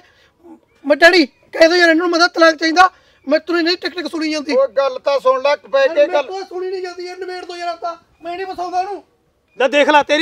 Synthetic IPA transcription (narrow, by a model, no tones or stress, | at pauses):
məɖəɽiː | kɛ̃ːd̪oːjaːɾnaːnũmə̃ːd̪at̪əlaːk̚t͡ʃaːĩːd̪aː | mɛ̃ːt̪ʊɾẽːnẽĩːʈɛknɪksʊɽiːd͡ʒãːnd̪iːɡəlːt̪ãːsʊləʈpɛ̃ːeːɡəlːsʊɽiːnĩːd͡ʒãːnd̪iːenəbeːɽd̪oːjaːɾat̪aː | mɛ̃ːnĩːpəsaːũd̪aːnũː | d̪aːd̪eːkʰlaːt̪eːɾ